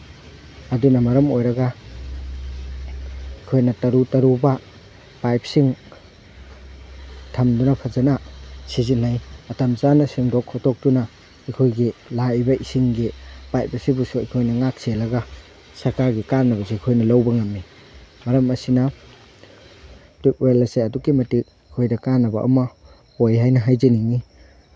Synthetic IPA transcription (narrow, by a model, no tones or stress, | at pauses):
ɐdunɐmɐɾɐmojɾɐɡɐ | ikʰojnɐtɐɾutɐɾubɐ | pajp̚siŋ | tʰɐmdunɐpʰɐzɐnɐsizinːajɐtɐmsanɐsiŋdokʰːɔtok̚dunɐ | ikʰojɡilajbɐisiŋɡipajp̚ɐsibusuɐ̰jkʰojnɐŋak̚selɐɡɐ | sɐɾkaɾɡikanːɐβɐsekʰojnɐlɐwbɐŋɐmːi | mɐɾɐmɐsinɐ | tik̚welɐseɐdukimɐtik̚ | ikʰojdɐkanːɐbɐʔɐ̰mɐ | ojɦajnɐɦajziniŋi